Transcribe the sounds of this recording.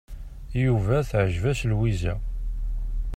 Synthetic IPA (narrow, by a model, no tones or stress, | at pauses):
juvæθʕəʒvæslwizæ̰